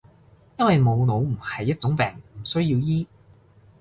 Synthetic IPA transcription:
jɐ˥nwɐ˨jmo˨˧wno˨˧wm̩˨˩hɐ˨jːɐ˥t̚t͡sʊ˨˥ŋpɛː˨˩ŋm̩˨˩sɵ˥ɥjiː˧wjiː˥

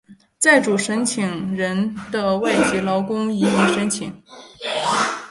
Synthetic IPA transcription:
t͡sa˥˩ɪʈ͡ʂu˨˩ʂə˧˥nt͡ɕʰi˨˩ŋɻə˧˥nd̪̥ə˧wa˥˩ɪt͡ɕi˧˥lɑ˧˥ʊkʊ˥ŋi˧˥mi˧˥ŋʂə˧˥nt͡ɕʰi˨˩˦ŋ

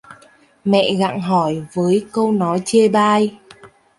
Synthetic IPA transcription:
mɛ̰˧˨ɣa̰ː˧˨ŋɦɔ˧˩jvəː˨˦jkə˧wnɔ˨˦jt͡ɕe˧ɓaː˧j

